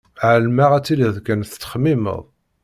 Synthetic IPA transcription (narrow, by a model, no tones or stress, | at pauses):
ʕəlmaʁæt͡sːiləðkænθt͡sːə̥χmimə̰ðˤ